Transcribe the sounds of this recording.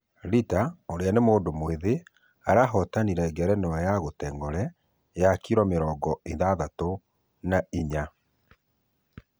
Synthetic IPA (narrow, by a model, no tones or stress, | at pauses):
ɾitaoɾeanemoːndomweðe | aɾaɦɔtaniɾɛɛɡɛɾɛnewajaɣotɛŋɡɔɾɛ | jakiɾɔmeɾɔːɡɔeðaðato | naiɲa